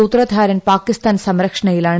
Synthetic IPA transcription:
ut̪rɐd̪ʱaːɾɐnpaːkist̪aːnsɐmɾɐkʂɐɳɐjilaːɳ

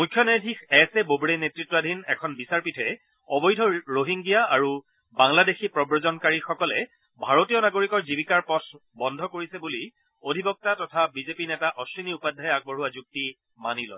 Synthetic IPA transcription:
mujkʰːjɔnadʱixɛsɛbobɹenetɹitːɔadʱinɛkʰɔnbisaɹpitʰɛ | ɔbɔjdʱɔɹoɦiŋɡijaaɹu | baŋladexipɹɔbɹɔzɔnkaɹixɔkɔlɛ | bʱaɹotijɔnaɡoɹikɔɹzibikaɹpɔtʰbɔndʱɔkoɹisɛbuli | odʱibɔk̚tatɔtʰabizepinɛtaʔɔsɹiniupadʱajak̚bɔɦuwazuk̚ti | manilɔ̰j

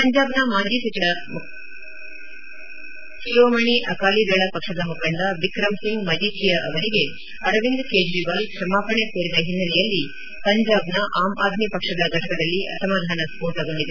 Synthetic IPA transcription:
pɐɲd͡ʒaːbnɐmaːd͡ʒiːsɐtɐm | ʃijoːmɐɳiʔɐkaːlid̪ɐɭɐpɐkʂɐd̪ɐmukɐɳd̪ɐʋikɾɐmsiŋɡmɐd͡ʒiːtʰijɐʔɐʋɐɾiɡe̞ | ɐɾɐʋind̪keːd͡ʒɾiʋɐliʃɾɐmaːpɐɳekeːɾid̪ɐɦinːɐɾɛjɐlːi | pɐɲd͡ʒaːbnɐʔaːmʔaːd̪ʱnipɐkʂɐd̪ɐɡʱɐʈɐkɐd̪ɐlːiʔɐ̰sɐmaːd̪ʱaːnɐspoːɾʈɐɡɐɳɖid̪e

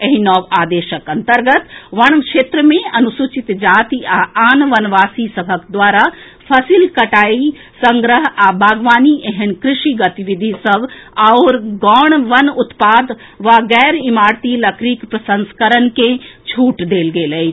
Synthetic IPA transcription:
ɐɦinɔːʋaːd̪eːʃəkɐ̃nt̪əɾɡət̪ʋɐɽ̃kʃeːt̪ɾəmẽɐnʊsuːt͡ʃɪt̪d͡ʒaːt̪iaaːnʋɐnʋaːsisɐbʱəkd̪ʋaːɾa | pʰɐsiːlkɐʈaːi | sɐ̃ŋɡɾəɦabʱaːɡʋaːniʔɐɦɪnkɾɪʃiɡɐt̪iʋɪd̪ʱisɐʋaoɾɡɔːɳ̃ʋɐnʊt̪paːd̪ | ʋaɡɛːɾɪmaːɾt̪ilɐkʰɾiːkpɾɐsə̃nskəɾənkẽt͡ʃʰuːʈd̪eːlɡeːlɐ

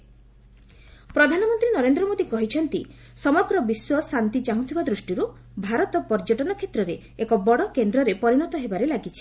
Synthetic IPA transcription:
pɾɔd̪ʱanɔmɔnt̪ɾinɔɾend̪ɾɔmod̪ikɔɦit͡ʃʰɔnt̪ḭ | sɔmɔɡɾɔbiswɔsant̪it͡ʃaɦũt̪ʰibad̪ɾusʈiɾu | bʱaɾɔt̪ɔpɔɾd͡ʒɔʈɔnɔkʰet̪ɾɔɾeːkɔbɔɽɔkend̪ɾɔɾepɔɾiñɔt̪ɔɦebaɾelaɡit͡ʃʰi̥

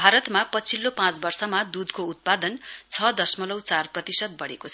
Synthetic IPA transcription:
bʱaɾʌt̪mapʌt͡sʰilːopãt͡sbʌrsʌmad̪ud̪kout̪̚pad̪ʌnt͡sʰʌd̪ʌsmʌlʌwt͡sarprʌt̪isʌd̪̚bʌɽekot͡sʰʌ

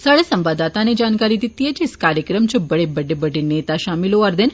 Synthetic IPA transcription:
saːɽesɐ̃mʋaːd̪aːt̪aned͡ʒaːnkaːɾid̪it̪iɦɛd͡ʒɪskaːɾjəkɾəmt͡ʃəbɐɽebɐɖebɐɖeneːt̪aʃaːmɪloɐɾd̪en

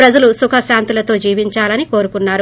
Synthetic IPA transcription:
pɾɐd͡ʒɐlusukʰɐʃaːnt̪ilɐt̪o̞ːd͡ʒiːʋiɲt͡ʃaːlɐniko̞ːɾukunːaːɾu

